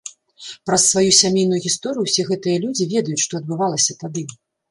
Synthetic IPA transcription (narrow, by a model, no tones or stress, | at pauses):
pɾɐsːvajusʲamʲejnujuɣʲist̪ɔɾɨjuwsʲɛɣɛt̪ɨjɐlʲud͡zʲivʲɛd̪ɐjut͡sʲʂt̪ɔɐd̪̚bɨvalˠɐsʲɐt̪ad̪ɨ